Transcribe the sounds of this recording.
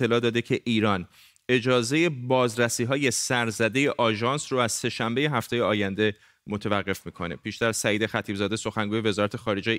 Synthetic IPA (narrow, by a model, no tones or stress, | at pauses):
e̞lɒːd̪ɒːd̪ecʰeʔiːɾɒːn | e̞d͡ʒɒːze̞je̞bɒːzɾæsiːɦɒːje̞sæɾzæd̪e̞jeʔɒːʒɒːnsroæz̥se̞ʃæmbe̞je̞ɦæft̪ʰejeɒːjænd̪e̞ | mot̪ʰevæɢːe̞fmiːkʰo̞ne̞̰pʰiːʃt̪æɾsæjiːd̪exæt̪ʰiːbzɒːd̪eso̞xæŋɡuːje̞ve̞zɒːɾæt̪ʰe̞xɒːɾe̞d͡ʒej